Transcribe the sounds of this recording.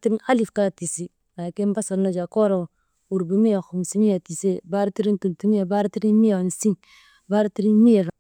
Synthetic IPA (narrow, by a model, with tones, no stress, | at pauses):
ti˦ɾi˦na˦li˨fka˦ti˨si˦ | a˨ke˦mba˦so˨ɾno˦d͡ʒa˨ko˦ɾo˨ | u˨ɾbi˨mi˦ja˨xu˨msi˦mi˦ja˨ti˨se˦ba˦ɾti˦ɾi˦ntu˨ntu˦mi˦ja˨ba˦ɾti˦ɾi˦nmi˦a˨n˨si˦n | ba˦ɾti˦ɾi˦mi˦je˨ɾa˨